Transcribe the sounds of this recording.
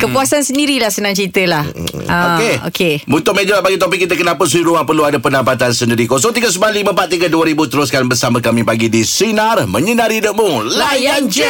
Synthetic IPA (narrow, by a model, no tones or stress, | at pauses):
kəpuasansəndiɾilahsənãŋt͡ʃɾit̪əlahʔaokeo̰kemunt̪ʊʔmad͡ʒəbap̚baɡit̪opɪkːit̪əkənapəs̬əiɾuaŋpərluadapəndampat̪ansəndiɾikos̬ɔŋt̪iɡəs̬əmalimə̃pat̪̚ːiɡəduəɾibut̪əɾʊskanbəsamə̃kamĩpaɡidisinarmə̃ɲənaɾidəʔ̚mulajand͡ʒ